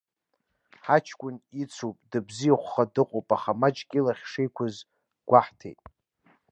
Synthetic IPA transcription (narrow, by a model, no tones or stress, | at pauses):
ħat͡ʃʰkʷʼʊnit͡sʰopʼdɨbzijaχʷχadɨqʷʼowpʼaχamat͡ʃʼkʲʼilaχʲʂejkʷʰaz | ɡ̥ʷaħtʰḛjtʼ